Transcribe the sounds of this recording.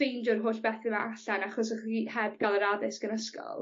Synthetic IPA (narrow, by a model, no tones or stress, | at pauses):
ejndʊrɦoːɬb̥ɛθɪma̰aɬanaχɔs̬əχihɛb̚ɡalˠəɾaðɪsɡ̥ənəskɔ̰lˠ